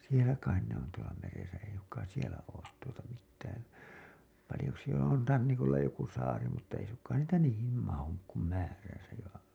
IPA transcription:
sielæ kɑin ne on tuolɑ meresæ ei suŋkˑɑːn̞ sielæ oːt tuotɑ mitːæːn pɑlĭjo jos sielæ on rɑnːikolːɑ joku sɑːri mutːɑ ei suŋkˑɑːn niːtæ niːhim mɑhuk kum mæːræsæj jɑ

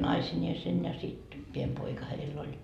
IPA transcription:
nɑisinʲeːsen jɑ sit piem poikɑ heilː olʲ

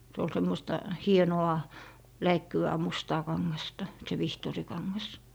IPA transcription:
se ol semːostɑ hienoɑ læikːyʋæː mustɑː kɑŋːɑstɑ se ʋihtoˑrikɑŋːɑs

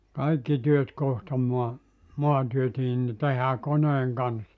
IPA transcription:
kɑikːi tyøt kohtɑ muɑ muɑntyøtiːn ni tehæː koneːŋ kɑnsːɑ

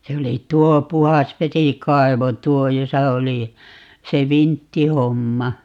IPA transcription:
se oli tuo puhɑsʋesikɑiʋo tuo josɑ oli se ʋintːihomːɑ

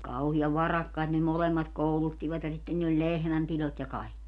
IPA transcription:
kɑuhiɑʋ ʋɑrɑkːɑit ne molemːɑt koulutːiʋɑt jɑ sitːen niːlː olʲ lehmæmpilot jɑ kɑi̯kːi

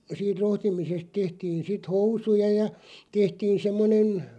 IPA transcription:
siːt rohtimisest tehtiːn sit housujɑ jɑ tehtiːn semːonen

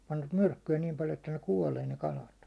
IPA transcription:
pɑnʋɑt myrkːyæ niːm pɑljo etːæ ne kuɒleː ne kɑlɑt

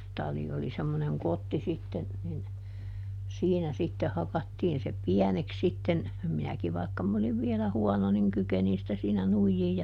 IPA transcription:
tɑli oli semːoneŋ kotːi sitːen nin siːnæ sitːe hɑkɑtːiːn se piɛneks sitːen minæki ʋɑikːɑ m oliʋ ʋielæ huɔno niŋ kykenin sĭtæ siːnæ nuijːiːj

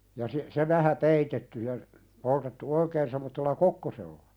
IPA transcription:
jɑ si se ʋæhæ peitetːy jɑ poltetːu oikeːn semːotːelːɑ kokːoselːɑ

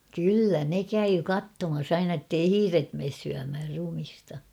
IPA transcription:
kylːæ ne kæyː kɑtːomɑs ɑinɑ ĕtːei hiːret meːs syæmhær rumistɑ

